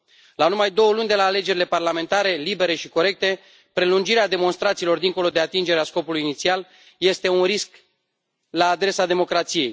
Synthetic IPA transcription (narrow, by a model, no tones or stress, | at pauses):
lanumajd̪o̞wəlunʲd̪e̞laːle̞d͡ʒe̞ɾile̞parlame̞nt̪aɾe̞libe̞ɾe̞ʃiko̞ɾe̞k̚t̪e̞ | pɾe̞lund͡ʒiɾead̪e̞mo̞nst̪ɾat̪silo̞rd̪iŋko̞lo̞d̪e̞at̪ind͡ʒe̞ɾeasko̞pulujinit̪sial | je̞st̪e̞unɾisk | laːd̪ɾe̞sad̪e̞mo̞kɾat̪sije̞j